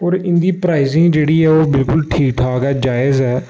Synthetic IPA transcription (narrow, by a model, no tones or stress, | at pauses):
ɔːɾɪ̃nd̪iːpɾaːɪzɪ̃ŋɡd͡ʒeːɽiːɦɛːoːbɪlkʊlʈʰiːk̚ʈʰaːkaːd͡ʒaːɪzɦɛː